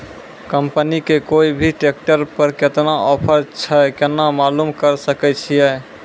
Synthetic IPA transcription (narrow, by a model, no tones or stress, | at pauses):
kəmpənikekoibʱiʈek̚ʈəɾpəɾket̪naʔɔpʰəɾt͡ʃʰəkenːamalumkəɾsəkɛt͡ʃʰijɛ